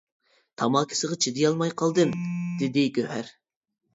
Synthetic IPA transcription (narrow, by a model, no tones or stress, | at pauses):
t̪ʰɑmɑːkʲʰi̥sɨʁt͡ʃʰid̪ɪjɑlˠmɑjqʰɑlˠd̪ɨmd̪̥ɪd̪ɪɡʲøhæɾ